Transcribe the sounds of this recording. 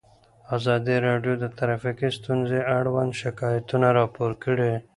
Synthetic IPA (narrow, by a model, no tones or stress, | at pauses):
azɑd̪iɾɑɖjod̪ət̪aɾafikist̪unzeaɽwand̪ʃɪkɑjat̪unaɾɑpoɾkəɽe